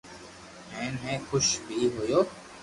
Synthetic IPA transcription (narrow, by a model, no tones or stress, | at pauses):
ɛ̃ːnɦɛ̃ːxʊʃbʱiːɦojoː